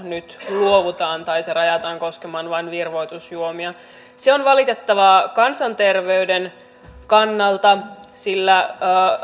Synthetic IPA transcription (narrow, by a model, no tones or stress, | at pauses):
nyt̪luoʋut̪ɑːnt̪ɑjserɑjɑt̪ɑŋko̞skemɑnʋɑnʋirʋo̞jt̪usjuomiɑ | seonʋɑlit̪e̞t̪ːɑʋɑkɑnsɑnt̪e̞rʋeyden | kɑnːɑlt̪ɑsilːæː